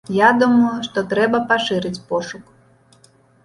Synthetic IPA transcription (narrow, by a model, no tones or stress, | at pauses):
jad̪umɐjuʂt̪ɔt̪ɾɛbɐpaʂɨɾɨt͡sʲpɔʂuk